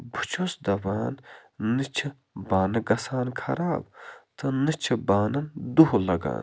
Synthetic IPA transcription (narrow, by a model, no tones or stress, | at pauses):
but͡ʃʰosd̪ɐʋaːnnɨt͡ʃʰi | baːnɨɡɐsaːnkʰɐɾaːbt̪ʰɨnɨt͡ʃʰibaːnɐnd̪uɦlɐɡa̰ːn